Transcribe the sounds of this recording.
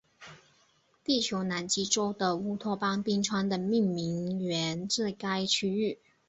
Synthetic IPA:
t̪i˥˩t͡ɕʰjo˧˥ʊna˧˥nt͡ɕi˥ʈ͡ʂo˥ʊd̪ə˨u˥t̪ʰwɔ˥˩pɑ˥ŋpi˥ŋʈ͡ʂʰwa˥nd̪ə˨mi˥˩ŋmi˧˥ŋɥɛ˧˥nʈ͡ʂɻ̩˥˩ka˥ɪt͡ɕʰy˥y˥˩

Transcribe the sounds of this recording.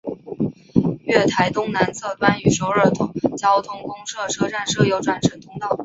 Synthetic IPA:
ɥɛ˥˩t̪ʰa˧˥ɪt̪ʊ˥ŋna˧˥nt͡sʰɤ˥˧t̪wa˥˩ny˨˩ʂjo˧˥ʊə˞˨˩t̪ʰʊ˧˥ŋt͡ɕjɑ˥ʊt̪ʰʊ˥ŋkʊ˥ŋʂɤ˥˩ʈ͡ʂʰɤ˥ʈ͡ʂa˥˧nʂɤ˥˩jo˧˥ʊʈ͡ʂwa˨˩nʈ͡ʂʰə˨˩ŋt̪ʰʊ˥ŋt̪ɑ˥˩ʊ

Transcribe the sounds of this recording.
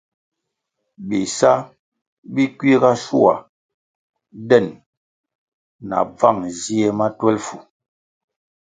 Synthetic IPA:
bi˨sa˦ | bi˦kwi˦ɣa˦ʃu˦a̰˨ | dɛ˦˨n | na̰˨b͡va˦˨ŋzi˦e˦ma˦twɛ˦lfu˨

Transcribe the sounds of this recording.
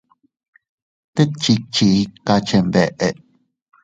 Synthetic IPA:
t̪e˦t͡ʃi˧t͡ʃi˧˨i˦ka˧t͡ʃe˧mbɛ˨ʔe˨ʔ

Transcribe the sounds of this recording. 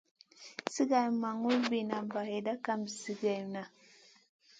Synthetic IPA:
si˦ɡa˨jmːa˨ŋu˦lbi˨na˨ba˨he˨da˦ka˦mbi˨si˦ɡa˨mna˨

